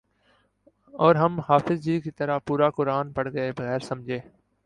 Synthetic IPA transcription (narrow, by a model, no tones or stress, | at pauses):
ɔːɾɦəmhaːfɪzd͡ʒiːkit̪əɾapuːɾaːkʊɾaːnpəɽɡəebəɣɛːɾsɐmd͡ʒʱeː